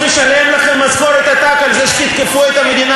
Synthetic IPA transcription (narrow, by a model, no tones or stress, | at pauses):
eʃalemlaχemazkoɾet̪at̪akalzeʃkit̪kepuet̪hamed̪ina